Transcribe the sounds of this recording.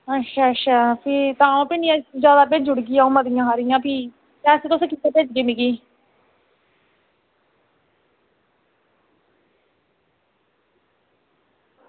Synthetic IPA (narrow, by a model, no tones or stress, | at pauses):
ətːʃʰaːətʃʰaːpʰɪt̪ãːõːpɪniãːd͡ʒaːd̪aːp̬ed͡ʒʊɽɡiːaːũːməd̪ɪjãːɦaːɾɪjãːpiː | kɛːseːt̪ʊsːkit̪ːeːped͡ʒɡeːmɪɡiː